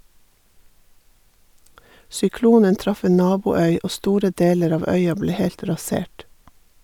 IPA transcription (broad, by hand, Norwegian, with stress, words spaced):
sʏˈkluːnən ˈtɾɑf ˈeːn ˈnɑːbuːˌœʏ ˈʔoː ˈstuːɾə ˈdeːləɾ ˈɑːʋ ˈœʏɑ ˈbleː ˈhɛlt ɾɑˈseːʈ